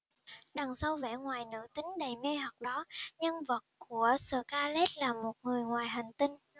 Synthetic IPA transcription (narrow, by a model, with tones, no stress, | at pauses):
ɗa˨˩ŋsa˧wvɛ̰˧˥ŋwaː˨˩jnɨ̰˧˥t̪ï˨˦ŋ̟ɗə˨˩jme˧ɦə˨˩k͡p̚ɗɔ˨˦ɲə˧nvə˨˩t̚ku˧˩əsəː˧˩kaː˧le˦˥t̚laː˨˩mo˨˩t̚ŋɨ˨˩əjŋwaː˨˩jɦa˨˩ŋ̟t̪i˧ŋ